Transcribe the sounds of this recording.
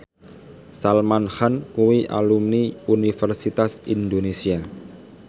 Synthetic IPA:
salmanhankuwiʔa̰lumniunifɛrsit̪asind̪onesia

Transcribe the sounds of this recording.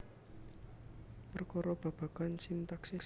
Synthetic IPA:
pərkɔɾɔb̥a̤b̥a̤ɡ̥ansint̪aksis

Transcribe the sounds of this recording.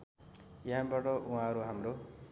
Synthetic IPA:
jɦãbaʈʌʔuɦãʌɾuɦamro

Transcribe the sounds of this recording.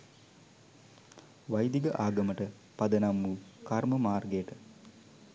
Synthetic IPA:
ʋajd̪iɡəʔaːɡəməʈə | pad̪ənamːuːkarməmaːrɡejʈə

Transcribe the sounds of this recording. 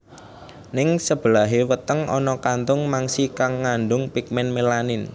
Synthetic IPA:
nɪŋsəb̥əlaɦewət̪əŋɔnɔkant̪ʊŋmaŋsikaŋːanɖʊŋpik̚mɛnmelanin

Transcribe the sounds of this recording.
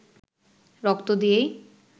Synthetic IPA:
ɾɔkt̪od̪ijej

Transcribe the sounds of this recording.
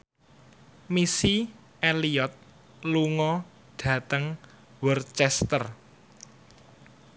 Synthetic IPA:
misi | eliɔt̪̚ | luŋɔ | ɖ̥ä̤t̪əŋ | wərt͡ʃɛst̪ər

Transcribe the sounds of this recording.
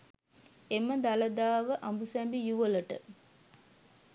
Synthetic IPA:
eməd̪alɐd̪aːʋəʔambusɛmbijuʋələʈə

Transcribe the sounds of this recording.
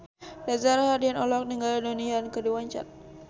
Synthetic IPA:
dazarhadianɔlɔk̚niŋɡaladoniankədiwaɲt͡ʃa̰t̪̚

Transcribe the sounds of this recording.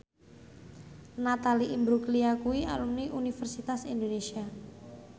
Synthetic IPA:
nat̪aliʔimbɾukliakuiʔa̰lumniʔunifərsit̪asind̪onesia

